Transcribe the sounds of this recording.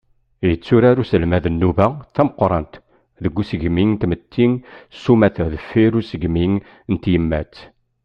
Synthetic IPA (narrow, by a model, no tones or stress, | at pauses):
jət͡sːʊɾaɾusəlmæðənːuvæθæməqːɾˤɑnt̪ | ðəɡːusəʝmiŋt̪mət̪ʰːiŋsumæθəðəfːiɾusəɡmiŋ | nt̪jəmːæt͡sː